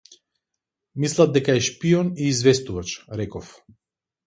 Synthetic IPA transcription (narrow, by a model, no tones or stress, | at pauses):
mislˠad̪̚d̪ɛkaɛʃpiɔniːzvɛst̪uvat͡ʃɾɛkɔf